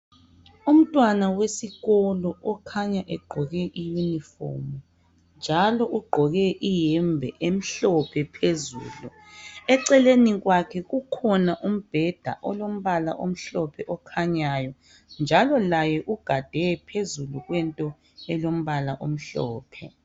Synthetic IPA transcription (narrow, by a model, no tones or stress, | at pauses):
um̩tʼwanawesiɣɔlɔʔɔkʰaɲaʔɛɡ͡ǃʱɔɣɛʔijunifɔ̰mu | nd͡ʒʱalɔʔuɡ͡ǃʱɔɣɛʔijɛmbʱɛʔem̩ɬɔpʰɛpʰezṵːlu | ɛǀɛleniɣwakʰɛɣukʰɔnaʔum̩b̥ʱɛd̥ʱa̰ʔɔlom̩βala̰ʔom̩ɬɔpʰɛʔɔkʰaɲajɔ | nd͡ʒʱalɔlajɛʔuɡ̥ʱad̥ʱɛpʰezuluɣwɛntʼɔ | ɛlom̩βalaʔom̩ɬɔ̰ːpʰɛ